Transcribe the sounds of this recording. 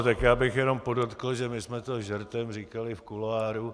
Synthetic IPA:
t̪akjaːbɪxjɛno̞mpo̞dot̪kl̩ʒɛmɪsmɛt̪oʒɛɾt̪ɛmriːkalɪfkulaːɾu

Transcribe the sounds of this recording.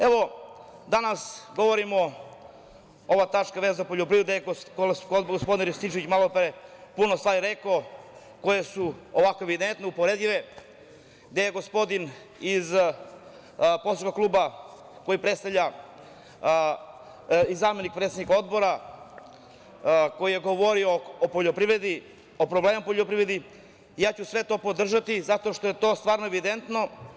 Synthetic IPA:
eʋo̞d̪anasɡo̞ʋoɾimo | o̞ʋat̪at͡ʃkaʋezd̪apoʎopɾid̪ud̪ajeɡoɡospo̞d̪inɾest̪it͡ʃeʋit͡ɕmalˠopɾepunost̪ʋaːɾiɾeko | ko̞jesuoʋako̞e̞ʋid̪ent̪neupoɾed̪ʎiʋe | ɡd̪ejeɡo̞spo̞d̪in | iz | posɾukaklˠuːba | ko̞jipɾet̪st̪avʎʲa | izaːmenik̚pɾet̪sed̪niko̞d̪bo̞ɾa | ko̞jije̞ɡo̞ʋo̞ɾioːpoʎopɾiʋɾed̪i | opɾobleːmapoʎʲopɾiʋɾed̪i | jaːt͡ɕusʋe̞t̪o̞ːpo̞d̪r̩ʒat̪izat̪o̞ʃt̪oje̞t̪o̞ːst̪vaːɾnoeʋid̪ent̪no̞

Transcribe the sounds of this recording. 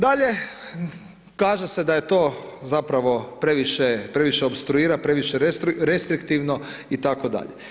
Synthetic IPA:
d̪aʎe̞ | kaːʒe̞se̞d̪aje̞t̪o̞ːzapɾaʋo̞pɾeʋiʃepɾeʋiʃeopst̪ɾuiːɾapɾe̞ʋiʃeɾet̪ɾɾe̞st̪ɾikt̪iʋnoit̪akod̪a̰ʎe

